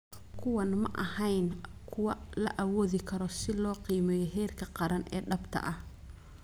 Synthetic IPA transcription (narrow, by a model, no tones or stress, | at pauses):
kʰʊwɐnmɐʔɐhɐjnkʰʊwɐlɐ̰ʔɐwɔːðɪkʰɐɾɔsɪlɔːqiːmɛːjɔɦɛːrkʰɐqɑɾɐnɛ̰ːɖɐbt̪ʰɐ̰ʔɐh